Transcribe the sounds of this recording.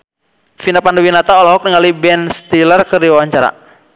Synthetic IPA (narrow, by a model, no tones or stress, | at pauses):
finapandowinat̪aɔlɔɦɔk̚niŋalibɛnst̪ilərkərdiwawaɲt͡ʃaɾa̰